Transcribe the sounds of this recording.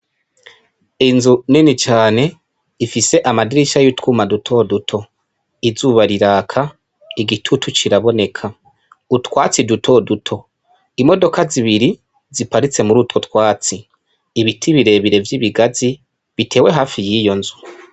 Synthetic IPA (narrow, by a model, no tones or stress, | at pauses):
inzuninit͡ʃaːne̞ | ifise̞ʔamadiɾiʃajutkumadutʰo̞dutʰo̞ | izuβaɾiɾaːkʰa | iɡitʰutʰut͡ʃiɾaβo̞ne̞kʰa | utwaːt͡sidutʰo̞dutʰo̞ | imo̞do̞kaziβiɾi | zipaɾit͡se̞muɾutko̞tkwaːt͡siː | βitʰiβiɾe̞βiɾe̞vjiːβiɡazi | βitʰe̞ːwe̞ɦaːfijiːjo̞nzu